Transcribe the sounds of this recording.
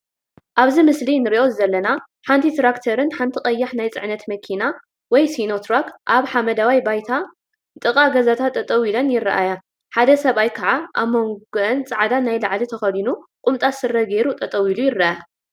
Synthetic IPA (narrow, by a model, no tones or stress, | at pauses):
ʔaβzimɨslinɨɾiʔo̞zɨzɐlːɐna | ħant̪ʰit̪ɾakt̪ʰɐɾɨnħant̪ʰikʼɐjːaħnajt͡sʼɨ̰ʕnɐt̪mɐkʰina | wɔjsino̞t̪ʰɾokʰʔaβħamɐd̪awajbajt̪ʰa | t̪ʼɨkʼaɡɐzat̪ʰat̪ʰʼːɐt̪ʼɐwilɐnjɪrːɐʔaja | ħad̪ɐsɐβajkʰɐʕaʔaβmːoŋɡɨʔɨnt͡sʼaʕad̪anajlaʕlit̪ʰɐxɐd̪inuqʼʊmt̪ʼasɨrːɐɡeɾut̪ʼɐt̪ʼɐwilujɪraʔa